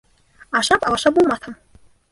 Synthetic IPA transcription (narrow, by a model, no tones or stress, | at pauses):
aʂapʼalaʂabumat̪ʰam